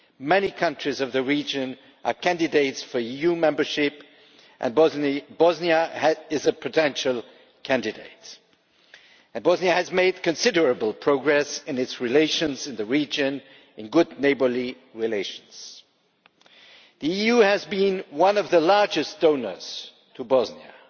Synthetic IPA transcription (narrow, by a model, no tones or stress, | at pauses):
mɛnikʰʌ̃nt͡ʃɹ̥izʌvðɨɹid͡ʒɨ̃n | ʔə˞kʰæ̃ndɨdeɪtsfə˞ijumɛ̃mbə˞ʃɪp | ʔɨ̰̃nbbɔzniəɪzɨpʰɨtʰɛ̃nʃl̩ˠ | kʰæ̃ndɨdeɪt | ɨ̃nbɔzniɨɨzmeɪd̚kɨ̃nsɪɾə˞ɨbl̩ˠpʰɹ̥oʊɡɹɛsɨ̃nɨtsɹileɪʃɨ̃nzɨ̃nðɨɹid͡ʒɨ̃n | ɨ̃nɡʊdⁿneɪbə˞li | ɹileɪʃn̩z̥ | ðiijuɨzbĩnwʌ̃nʌvðəlɑɹd͡ʒɨsd̥õʊ̃nə̰˞z̥ | tʰəbɔzniə̰